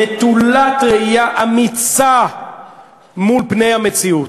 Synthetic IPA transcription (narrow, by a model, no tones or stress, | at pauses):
et̪ulat̪ʁeijaʔamit͡sa | mulpne̞jhame̞t͡siut